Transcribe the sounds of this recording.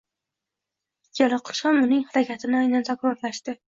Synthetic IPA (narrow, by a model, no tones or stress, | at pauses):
jʲalɪqʰɨ̥ʃɒmʊnɪŋhaɾakʲʰat̪ʰɪnɪajnanzʰakɾɒɾlaʃt̪ɪ